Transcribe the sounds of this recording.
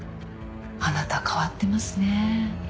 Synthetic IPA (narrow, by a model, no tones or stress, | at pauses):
anat̪akʰaβat̪ːe̞masɨne̞